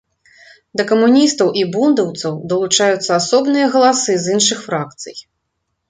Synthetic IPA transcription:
d̪ɐkɐmunʲist̪ɐwʔibund̪ɐwt̪sɐwd̪ɐlˠut͡ʂajut̪sːɐasɔbnɨjɐɣɐlˠasɨzɨnʂɨxfɾakt̪sɨ̰j

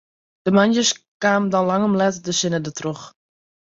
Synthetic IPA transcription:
d̥əmanjəskaːmdɑnlɑŋɔmlɛtdəsɪnədətroχ

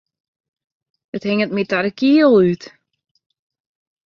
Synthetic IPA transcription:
əthɪŋət̚mitaɾəkiəlˠyt

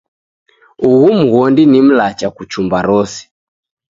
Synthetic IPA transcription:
uɣum̩ɣɔndinim̩lat͡ʃakut͡ʃumbaɾɔsi̥

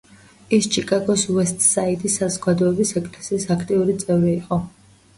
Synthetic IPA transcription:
ist͡ʃʰʼikʼaɡɔswɛst̪ʼsait̪ʼisːazɔɡad̪ɔɛbisɛkʼlɛsisakʰt̪ʼiuɾit̪sʼɛvɾiːqʼɔ

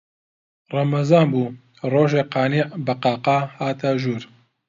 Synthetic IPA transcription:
rɑmɐzɑːnbuː | roːʒeːqɑːnibɐqɑːqɑːhaːt̪ʰaʒuːɾ

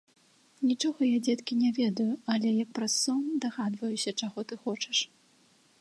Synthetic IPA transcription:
nʲit͡ʂɔɣɐjad͡zʲɛt̪kʲinʲɛvʲɛd̪ɐjuɐlʲɛjɐk̚pɾasːɔmd̪aɣad̪vɐjusʲɐt͡ʂaɣɔt̪ɨxɔt͡ʂɛ̥ʂ

